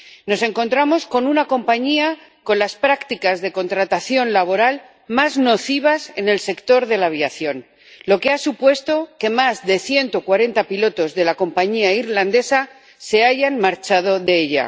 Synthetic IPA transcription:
no̞se̞ŋko̞nt̪ɾamo̞sko̞nunako̞mpaɲia | ko̞nlaspɾakt̪ikazðe̞ko̞nt̪ɾat̪aθjo̞nlaβ̞o̞ɾal | mazno̞θiβ̞ase̞ne̞lse̞kt̪o̞ɾðe̞laβ̞jaθjo̞n | lo̞ke̞asupwe̞st̪o̞ke̞mazðe̞θje̞nt̪o̞kwaɾe̞nt̪apilo̞t̪o̞zðe̞lako̞mpaɲiaiɾland̪e̞sa | se̞aʝanmaɾt͡ʃað̞o̞ðe̞eʎa̰

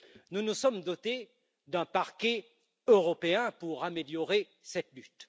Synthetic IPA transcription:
nunusɔmd̪ɔt̪e | d̪ɛ̃paʁkʲe | øʁɔpeɛ̃puʁameljɔʁe | sɛt̪lyt̪

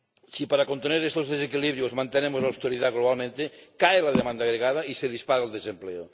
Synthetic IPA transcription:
sipaɾakont̪eneɾest̪ozðesekiliβɾjozmãnt̪enemozlawst̪eɾiðaɣloβalmẽnt̪ekaelaðemãnd̪aːɣɾeɣað̞aiseðispaɾald̪esempleo

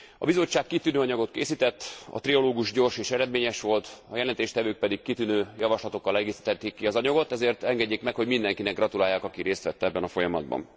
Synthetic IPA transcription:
ɒ̰bizo̞t͡ʃːaːkːit̪ynøːɒɲɒɡo̞t̪kḛːsit̪ɛt̪ːɒ̰t̪riɒloːɡuʃɟo̞rʃeːʃɛɾɛd̪meːɲɛʃʋo̞lt̪ɒjɛlɛnt̪eːʃt̪ɛvøːk̚pɛd̪ikkit̪ynøːjɒvɒʃlɒt̪o̞kːɒlɛɡeːsi̥t̪ɛt̪ːeːkːiɒzɒɲɒɡo̞t̪ɛzeːrt̪ɛŋɡɛɟːeːkmɛkho̞ɟmind̪ɛŋkinɛɡrɒt̪ulaːjːaːkɒkiɾeːst̪ʋɛt̪ːɛɛbːɛnɒfo̞jɒmɒ̰d̪̚bɒ̰n

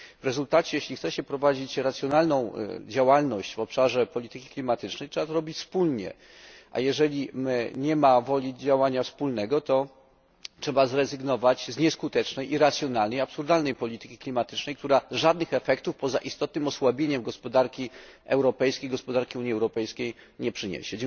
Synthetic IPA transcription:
vɾɛzult̪at͡ɕɛjeɕlʲixt̪sɛɕɛpɾɔvad͡ʑit͡ɕɾat̪sʲjɔnalnɔ̃w̃d͡ʑawalnɔɕt͡ɕvɔpʂaʐɛpɔlʲit̪ɘkʲi̥klʲimat̪ɘt͡ʂnɛjtʂɛbat̪ɔɾɔbʲit͡ɕspulɲɛ̰ | ʔa̰jɛʐɛlʲiɲɛmavɔlʲid͡ʑawaɲafspulnɛɡɔt̪ɔ | tʂɛbazɾɛzɘɡnɔvat͡ɕzɲɛskut̪ɛt͡ʂnɛjʔiɾat̪sʲjɔnalnɛjapsuɾd̪alnɛjpɔlʲit̪ɘkʲi̥klʲimat̪ɘ̥t͡ʂnɛjk̚t̪uɾaʐad̪̚nɘxɛfɛkt̪ufpɔza̰ʔist̪ɔt̪̚nɘmɔswabʲjeɲɛmɡɔspɔd̪aɾkʲiɛ̰wɾɔpɛjskʲejɡɔspɔd̪aɾkʲiuɲiɛwɾɔpɛjskʲej | ɲɛpʂɘɲḛɕɛd͡ʑɛ

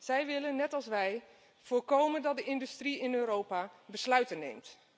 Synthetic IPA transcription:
z̥ɛjʋɪlənːɛtɑlˠsʋɛj | v̥ʊːɹkowməndɑt̚dəɪndystriɪnøːɾowpabəslœɥtənːḛjmt

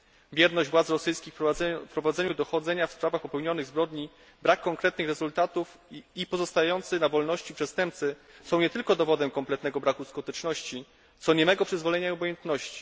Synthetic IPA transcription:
vʲjɛɾnɔʑd͡ʑvwat̪sɾɔsɘjskʲixpɾɔvad̪zɛɲud̪ɔxɔd̪zɛɲafspɾavaxpɔpɛwɲɔnɘɣzbɾɔd̪ɲi | bɾakːɔŋkɾɛt̪̚nɘxɾɛzult̪at̪uf | ipɔzɔst̪ajajɔnt̪sɘnavɔlnɔɕt͡ɕipʂɛst̪ɛmp̚t̪sɘsɔ̃w̃ɲɛt̪ɘlkɔd̪ɔvɔd̪ɛmkɔmplɛt̪nɛɡɔbɾakuskɔt̪ɛt͡ʂnɔɕt͡ɕi | t̪sɔɲɛmɛɡɔpʂɘzvɔlɛɲaiɔbɔjɛnt̪nɔɕt͡ɕi̥

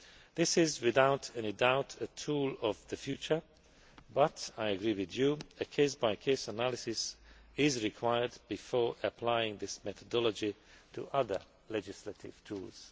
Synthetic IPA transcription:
ðɪsɪzwɪðaʊtʰɨ̃nɨdaʊtʰɨtʰulˠʌvðɨfjʉt͡ʃə˞ | bʌɾaɪɨɡɹiwɪðjuɨkʰeɪsb̥aɪkʰeɪsənælˠɨsɪsɪzɹikʰw̥aɪə˞d̚bɨfɔɹɨpʰl̥aɪɪ̃ŋðɪsmɛθədɔlˠəd͡ʒi | tʰə̰ʔʌðə̰˞ | lɛd͡ʒɨsləɾɪ̰v̥tʰṵlˠz̥

